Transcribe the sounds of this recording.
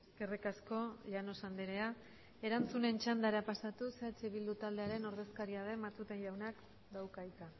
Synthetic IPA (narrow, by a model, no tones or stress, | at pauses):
eske̞rikasko̞ʎano̞sand̪eɾe̞a | e̞ɾant͡sune̞nt͡ʃand̪aɾapasat̪useat͡ʃeβild̪ut̪ald̪e̞aɾe̞no̞ɾðe̞skaɾiað̞e̞mat͡s̪ut̪e̞nʎawnak | d̪awkajka